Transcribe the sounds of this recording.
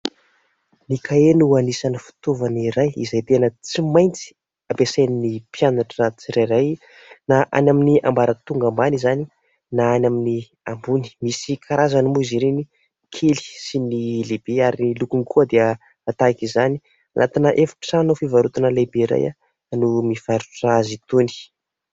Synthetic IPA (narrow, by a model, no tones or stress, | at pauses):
nikʰaenuuanisanəfi̥t̪uvaniɾajḭzajt̪enət͡simajnt͡si̥ | apesajninipjanaʈ͡ʂənat͡siɾajɾaj | naʔa̰naminia̰mbaɾət̪uŋɡambanizani | naanamini | ambuni̥misikʰaɾʔazanimuiziɾeni | kʰeli̥sinileb̥eaɾinilukunikuəd̪eə | at̪aikizani̥ | a̰nʔa̰t̪inəʔefḁʈ͡ʂi̥sanofivaɾut̪anəlebeiɾa̰ja̰ | numifaɾuʈ͡ʂazit̪uni̥